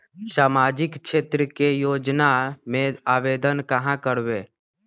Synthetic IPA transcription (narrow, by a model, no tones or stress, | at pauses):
saːmaːd͡ʒɪkʃʰeːt̪ɾəkejoːd͡ʒnamẽaːʋeːd̪ənkəɦãkəɽʋeː